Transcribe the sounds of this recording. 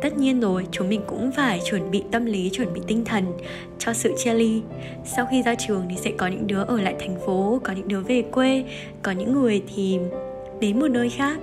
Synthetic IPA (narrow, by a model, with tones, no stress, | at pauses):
t̪ə˦˥t̚ɲi˧ənzo˨˩jt͡ɕʊ˨˦mï˨˩ŋ̟kʊ̰˧˥ŋ͡mfaː˧˩jt͡ɕwə˧˩nɓḭ˧˨t̪ə˧mli˨˦t͡ɕwə˧˩nɓḭ˧˨t̪ï˧ŋ̟t̪ʰə˨˩n | t͡ɕɔ˧sɨ̰˧˨t͡ɕɛ˧li˧ | sa˧wxi˧zaː˧t͡ɕɨ˨˩əŋt̪ʰi˨˩sɛ̰˧˥kɔ˨˦ɲɨ̰˧˥ŋɗɨ˨˦əʔəː˧˩la̰ː˧˨jt̪ʰjŋ̟fo˨˦kɔ˨˦ɲɨ̰˧˥ŋɗɨ˨˦əve˨˩kwe˧ | kɔ˨˦ɲɨ̰˧˥ŋːɨ˨˩əjt̪ʰi˨˩ | ɗe˨˦nmo˨˩t̚nəː˧jxaː˦˥k̚